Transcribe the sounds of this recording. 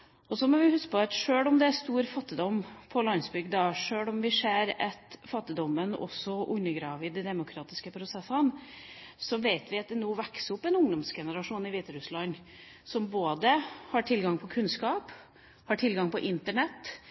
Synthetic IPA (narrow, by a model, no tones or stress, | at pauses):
ɔsɔmɔʋɪhʉskəpʰɔɑt̪ʂøːɭɔmd̪ɛæst̪uːɾfɑt̪ːɪd̪ɔmːpʰɔlɑnsbʉɡd̪ɑːʂøːɭɔmʋɪseːɾɛt̪fɑt̪ːɪd̪ɔmːənɔ̰sːɔʔʉɲəɡɾɑːʋɪd̪ɛd̪ɛmʊkʰɾɑːt̪ɪskəpʰɾʊsɛsːən | sɔʋeɪt̪ʋɪɑt̪̚d̪ɛnuːʋæksɔpːɛnʊŋd̪ɔmsɡɛnəɾɑʂuːnɪʋiːt̪əɾʉslɑɲ | sɔmboːd̪əhɑʈʰɪlɡɑŋpʰɔkʰʉnskɑːp | hɑʈʰɪlɡɑŋpʰɔʔɪnt̪əɳɛt̪ː